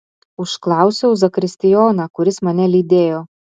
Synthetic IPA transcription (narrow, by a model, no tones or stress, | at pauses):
ʊʃklˠɑˑʊsʲoʊzɐkɾʲɪsʲt̪ʲɪjɔːnɐkʊɾʲɪsmɐnʲɛlʲiːd̪ʲeːjoː